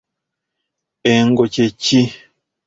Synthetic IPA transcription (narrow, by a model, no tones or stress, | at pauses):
eŋɡot͡ʃet͡ʃi